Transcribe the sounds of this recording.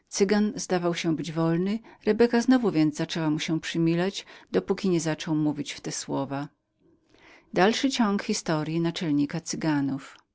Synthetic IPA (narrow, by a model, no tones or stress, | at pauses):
t̪sɘɡanzd̪avawɕɛbɘd͡ʑvɔlnɘɾɛbɛkaznɔvuvʲjɛnzzat͡ʂɛwamuɕɛ̃pʂɘmʲilad͡ʑd̪ɔpukʲiɲɛzat͡ʂɔwmuvʲit͡ɕft̪ɛswɔva | d̪alʂɘt͡ɕɔŋkxʲist̪ɔɾʲjinat͡ʂɛlɲikat̪sɘɡanuf